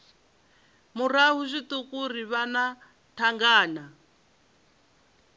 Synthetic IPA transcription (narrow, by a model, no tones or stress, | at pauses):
muraɦuʂʷit̪ukuriβana | tʰaŋɡaːna